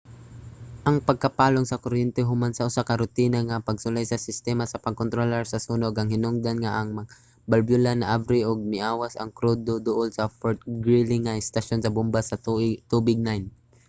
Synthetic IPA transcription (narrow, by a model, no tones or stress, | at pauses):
ʔɐŋpɐɡ̚kɐpaːloŋsɐkoɾɛnt̪ɛɦʊmansɐʔʊsakɐɾʊt̪iːnɐŋɐpɐɡsʊlajsɐsɪst̪ɛmasɐpɐɡ̚kont̪ɾolɛɾsɐsuːnoɡɐŋhɪnoŋd̪anŋaʔɐŋmɐ | bɐlbjʊlanɐʔavɾɪʔoɡ̚mɪʔaːwasɐ̰ŋkɾud̪od̪oʔolsɐfoɹt̪̚ɡɹilɪŋːɐɪst̪ɐʃonsɐbʊmbasɐt̪ubɪɡ̚najn